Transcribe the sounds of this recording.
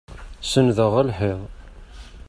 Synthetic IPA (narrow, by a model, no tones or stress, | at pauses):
sənðəʁəlħeðˤ